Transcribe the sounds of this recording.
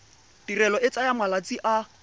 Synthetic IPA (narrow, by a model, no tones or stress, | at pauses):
d̥irɛlɔɪt͡sajamwalat͡siʔa